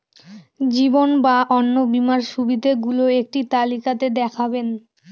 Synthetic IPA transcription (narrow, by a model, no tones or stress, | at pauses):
d͡ʑibonbaʔɔnːobimaɾʃubid̪ʱeɡuloek̚ʈit̪alikat̪ed̪ɛkʰaben